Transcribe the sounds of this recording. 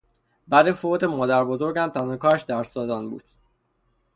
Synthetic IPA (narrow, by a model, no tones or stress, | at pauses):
bæd̪efoːt̪emɒːd̪æɾbozo̞ɾɡæmt̪ʰænɒkʰɒːɾʃd̪æɾsɒːzænbṵːd̪̥̚